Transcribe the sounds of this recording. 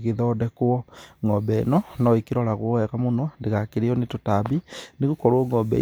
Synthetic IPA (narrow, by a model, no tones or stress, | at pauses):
ɣeðɔːdɛkoɔŋɔbɛ̰nɔnɔikeɾɔɾaɣoɔɛɣamonɔndeɣakeɾeɔnetotabineɣukɔɾwɔŋɡɔbɛ̰